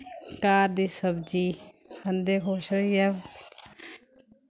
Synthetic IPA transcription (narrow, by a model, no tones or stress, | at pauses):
kaːɾd̪iːsəbd͡ʒiː | kʰənd̪eːkʰoːʃəɛʋ